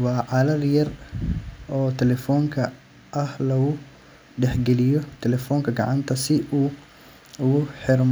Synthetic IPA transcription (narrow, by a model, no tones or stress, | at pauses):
wɑːʕɑlɐrjɐr | ɔːt̪ʰɛlɛfɔːŋkʰɐ | ʔɐhlɐɡʊ | ɖɛħɡɛlɪjɔt̪ʰɛlɛfɔːŋkʰɐɡɐʕɑnt̪ʰɐsɪʔuː | ʊɣʊħɪrm